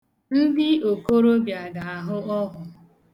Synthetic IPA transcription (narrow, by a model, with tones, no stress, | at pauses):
n̩˦dɪ˦o˨ko˦ɾo˦bja˨ɡa˨a˨ɦʊ˦ɔ˦ɦʊ˨